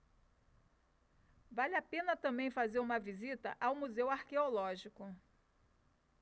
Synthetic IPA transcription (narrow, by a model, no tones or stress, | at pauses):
valɪapẽnɐt̪ɐ̃mbẽj̃fazeɾũmɐvizit̪ɐ̰ʔawmuzewaɾkeolɔʒikʊ